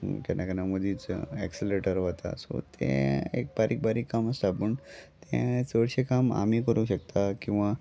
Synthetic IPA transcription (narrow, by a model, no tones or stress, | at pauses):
kɛnʔakənaməd̪iːt͡sɛksileʈəɾʋət̪a̰so̰t̪ʰḛ̃ḛk̚baɾʔiːk̚baɾiːkːaməst̪abuːnt̪ẽt͡səɽɕekama̰m̤ikəɾuːɕək̚t̪akĩw̃ʋa